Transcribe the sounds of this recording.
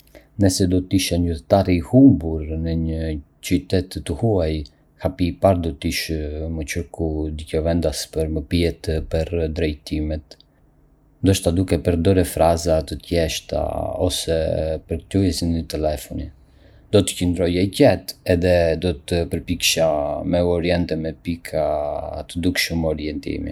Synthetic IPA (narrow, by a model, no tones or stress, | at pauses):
nəsɛd̪ɔt̪iʃɛɲyɛt̪aɾiːhumbuɾnəɲə | t͡ʃyt̪ɛt̪ːəhuaj | hapiːpaɾd̪ɔt̪iʃmət͡ʃəɾkud̪icɔvɛnd̪aspəɾməpiɛt̪pəɾd̪ɾɛjt̪imɛt̪ | nd̪əʃt̪ad̪ukɛpəɾd̪ɔɾɛfɾazat̪ət̪jɛʃt̪a̰ɔsɛpəɾkt̪ujɛsinɲət̪ɛlɛfɔni | d̪ɔt̪ə̥cənd̪ɾɔjajcɛt̪ɛðɛd̪ɔt̪əpəɾpikʃamɛɔɾjɛnt̪ɛmɛpikʰat̪əd̪ukʃəmɔɾjɛnt̪ḭmḭ